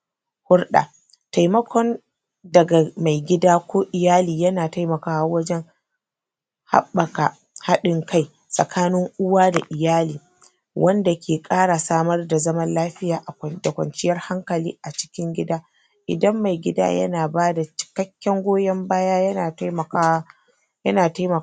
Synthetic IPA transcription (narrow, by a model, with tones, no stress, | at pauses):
hʊ˦rɗa̰ː˨ | ta˨jmɐ˦kʷʰɔ˦n | dɐ˨ɡa˨ma˨jɡʲɪ˦daː˦kʷoː˦ʔɪ˨jaː˦liː˨jɐ˦naː˨ta˦jmɐ˨kaː˦wa˨wɐ˦d͡ʒɛ˦ŋ | ha̰˦bːɐ˨ka˨ | ha˦ɗɪ˨ŋkʰa˦j | sʼɐ˨kʰaː˦nɪ˦ŋʔʊ˦waː˦da˨ʔɪ˨jaː˦liː˨ | wʔɐ˦nda˨kʲʰeː˨kʼaː˦ɽa˨saː˦mɐ˦rda˨zɐ˦mɐ˦nlaː˦ɸɪ˦jaː˨ʔa˨da˨kʷɐ̰˨nt͡ʃɪ˦jɐ˦rha˦ŋkɐ˨lḭː˦ʔa˨t͡ʃɪ̥˦kʲɪ˦ŋɡʲɪ˦daː˦ | ʔɪ̰˨dɐ˦mːa˨jɡʲɪ˦da̰ː˦jɐ̰˦naː˨baː˦da˨t͡ʃɪ̥˨kɐ˦kʲːɛ˦ŋɡʷoː˦jɐ˦mbaː˦jaː˦jɐ˦naː˨tmɐ˨ka˦a˦ | jɐ˦naː˨ta˦jmɐ˨